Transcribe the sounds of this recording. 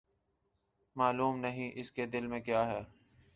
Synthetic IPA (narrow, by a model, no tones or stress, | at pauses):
maːluːmnɐɦĩʔɪsked̪ɪlmẽkjaːɦɛː